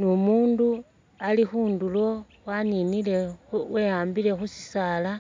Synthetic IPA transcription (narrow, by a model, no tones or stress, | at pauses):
nomuːndu | alixuːndulo̞ | waninile̞wejaːmbile̞xusi̥saːla